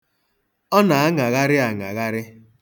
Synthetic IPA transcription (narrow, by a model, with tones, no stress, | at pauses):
ɔ˦na˨a˦ŋa˨ɣa˦ɾɪ˦a˨ŋa̰˨ɣa˦ɾɪ˦